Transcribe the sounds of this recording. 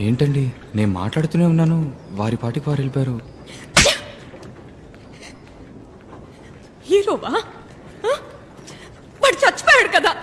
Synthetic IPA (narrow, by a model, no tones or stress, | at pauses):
e̞ːɳʈɐɳɖi | ne̞ːnuma̰ːʈlaːɽut̪une̞ːunːaːnuʋaːɾipaːʈikiʋaːɾelipaːɾu | hiːɾoːʋaː | bɐʈit͡ʃɐt͡ʃːɐ̥pɔːjaːɽukɐd̪aː